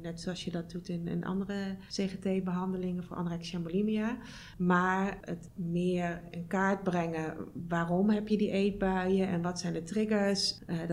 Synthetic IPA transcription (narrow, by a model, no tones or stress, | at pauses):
nɛtsoɑlsjədɔt̚dutɪnɪ̰nʔɑ̰ndərəseχetejbəɦɑndəlɪŋəfoːɹʔɑ̰ndərɛksjɛmbolimia | maːɹətmɪːəɹɪnkaːɹd̚brɛŋəʋaːrɔmɦɛpjədiʔejd̚bœəɛnʋɔtsɛjndətrɪɡəɹs